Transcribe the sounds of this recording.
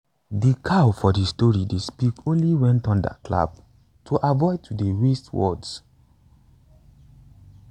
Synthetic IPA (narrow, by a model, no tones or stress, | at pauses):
dikʰawfɔdistɔɹidespikõnliwɛ̃ntɔ̃nda̰kla̰b | tʰuʔavɔɪtʰudeɹestwɔ̰ds